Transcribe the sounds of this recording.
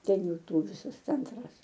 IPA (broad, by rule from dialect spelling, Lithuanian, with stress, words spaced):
ˈtʲɛn ˈjuː ˈtuː ˈʋʲiːsɐs ˈt͡sʲɛntrɐs